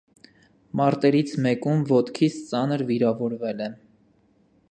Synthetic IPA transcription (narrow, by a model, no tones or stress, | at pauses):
mɑɾt̪ɛɾit͡sʰmɛkumvɔt̪kʰit͡sʰt͡sɑnəɾviɾɑvɔɾvɛlɛ